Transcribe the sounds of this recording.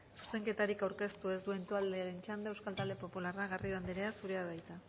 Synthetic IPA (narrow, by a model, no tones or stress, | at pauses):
su̥se̞ŋke̞t̪aɾikawɾke̞st̪ue̞zd̪ue̞nt̪oald̪eaɾe̞nt͡ʃand̪eewskalt̪ald̪e̞po̞pularaɣarioand̪iɾe̞asuɾe̞aðajt̪a